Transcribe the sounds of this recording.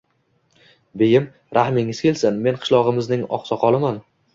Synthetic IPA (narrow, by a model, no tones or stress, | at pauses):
bejɪm | ɾʔahmɪŋɪz̥kʲʰelsɪnme̞nqʰɨ̥ʃlˠɒʁɨmɪznɪŋɒ̰qsɒqʰɒlˠɪman